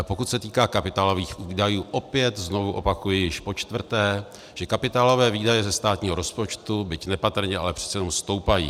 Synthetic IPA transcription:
pokut̪sɛt̪iːkaːkapɪt̪aːlo̞viːxviːdajuːʔo̞pɪjɛt̪zno̞vuʔo̞̰pakujɪjɪʃpo̞t͡ʃt̪vr̩t̪ɛː | ʒ̥ɛkapɪt̪aːlo̞vɛːviːdajɛzɛst̪aːt̪ɲiːɦoɾo̞spo̞t͡ʃt̪ubɪcnɛpat̪r̩ɲɛʔa̰lɛpr̝̥ɛ̥tt͡ssɛjɛnomst̪o̞wpajḭː

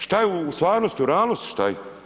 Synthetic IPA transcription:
ʃt̪ajeuːst̪ʋaːɾnost̪uɾaːlnost̪ʃt̪aje

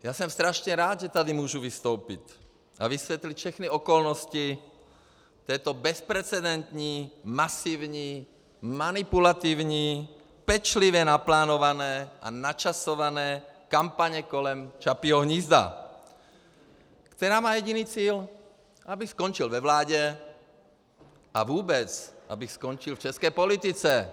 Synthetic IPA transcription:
jasɔmst̪ɾaʃɲɛɾaːd̪ʒɛt̪ad̪imʊɔːʒuʋist̪oʊpic | a̰ʋisʋɛt̪licfʃɛxniɔkɔlnɔsci | t̪ɛːt̪ɔbɛspɾɛt͡sɛd̪ɛnt̪ɲiːmasiːʊɲiː | manipulat̪iːʊɲiː | pɛt͡ʃliʋɛnaplaːnɔʋanɛːʔa̰nat͡ʃasɔʋanɛːkampaɲɛkɔlɛmt͡ʃapiɦɔɦɲizd̪a̰ | kt̪ɛɾaːmaːjɛɟiniːt͡siːl | abixskɔnt͡ʃilʋɛʋlaːɟɛ | ʔaʋuːbɛt͡sʔa̰bixskɔnt͡ʃilft͡ʃɛskɛjpɔlit̪it͡sɛ

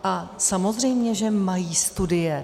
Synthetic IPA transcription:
ʔasamo̞zrɛjmɲɛʒɛmajiːst̪udɪjɛ

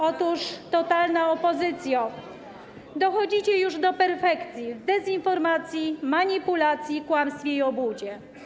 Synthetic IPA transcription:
ɔt̪uʂt̪ɔt̪alnaɔpɔzɘt̪sʲja | d̪ɔxɔd͡ʑit͡ɕɛjuʐd̪ɔpɛɾfɛkt̪sʲjivd̪ɛzinfɔɾmat̪sʲjimaɲipulat̪sʲjikwamst̪fʲjeiɔbud͡ʑɛ

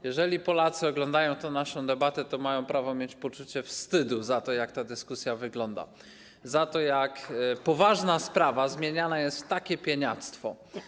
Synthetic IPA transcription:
jɛʐɛlʲipɔlat̪sɨɔɡlɔnd̪ajɔ̃w̃t̪ɔ̃w̃naʂɔ̃w̃d̪ɛbat̪ɛt̪ɔmajɔ̃w̃pɾavɔmʲjet͡ɕpɔt͡ʂut͡ɕɛfst̪ɘd̪uzat̪ɔjak̚t̪ad̪ɘskusʲjavɘɡlɔnd̪a̰ | zat̪ɔjakpɔvaʐnaspɾavazmʲjeɲanajɛst̪t̪ːakʲɛpʲjɛɲat̪st̪fɔ

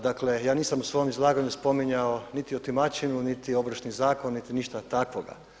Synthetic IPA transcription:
d̪akle̞jaːniːsamusʋo̞jomizlˠaːɡaɲuspo̞miɲao̞nit̪iot̪imat͡ʃinunit̪io̞bɾʃnizaːko̞nːit̪iniʃt̪at̪akʋoɡa̰

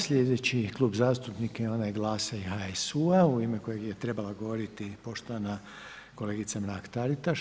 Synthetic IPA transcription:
sʎʲed̪e̞t͡ɕiklˠuːbzaːst̪upnikonajeɡlˠaːsaiɦaesuauimeko̞jeɡjet̪ɾe̞balaɡo̞ʋo̞ɾit̪ipo̞ʃt̪oʋana | ko̞le̞ːɡit̪samɾaːkt̪aɾit̪aʃ

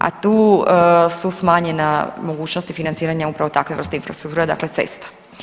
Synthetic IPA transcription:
a̰t̪uː | susmaːɲenamo̞ɡuːt͡ɕnost̪ifinant̪siːɾaɲaupɾaʋo̞t̪akʋe̞ʋr̩st̪einfɾast̪ɾuk̚t̪uːɾed̪a̰kle̞t̪ḛst̪ḁ

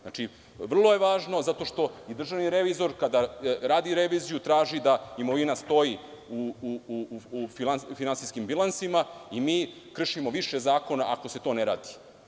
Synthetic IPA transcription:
na̰t͡ʃi | ʋr̩lˠo̞je̞ʋaːʒno̞zat̪o̞ʃt̪o̞id̪r̩ʒaʋniɾeʋizo̞ɾkad̪aɾaːd̪iɾeʋiːzijut̪ɾaːʒid̪aimoʋinast̪o̞jiu | fianfinansiskimbilˠansimaimiː | kr̩ʃimo̞ʋiʃezaːko̞naʔako̞se̞t̪o̞neɾa̰ːd̪i̥

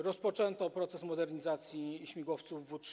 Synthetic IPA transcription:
ɾɔspɔt͡ʂɛnt̪ɔpɾɔt̪sɛsmɔd̪ɛɾɲizat̪sʲjiɕmʲiɡwɔft̪suvːutʂ

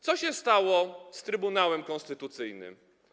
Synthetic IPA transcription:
t̪sɔɕɛst̪awɔst̪ɾɘbunawɛmkɔnst̪ɘt̪ut̪sɘjnɘ̰m

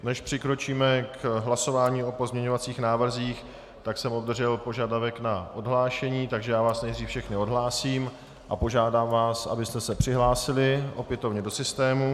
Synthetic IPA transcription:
nɛʃpr̝̥ɪkɾo̞t͡ʃiːmɛkɦlaso̞vaːɲiːo̞po̞zmɲɛɲo̞vat͡siːxnaːvr̩ziːx | t̪aksɛmo̞bd̪rʒɛlpo̞ʒadavɛknaʔodɦlaːʃɛɲiːt̪aɡʒɛjaːvaːsnɛjdriːfʃɛxnɪo̞dɦlaːsiːm | ʔapo̞ʒaːdaːmvaːsʔa̰bɪst̪ɛsɛpr̝̥ɪɦlaːsɪlɪʔo̞pjɛt̪ovɲɛdo̞sɪst̪ɛːmu

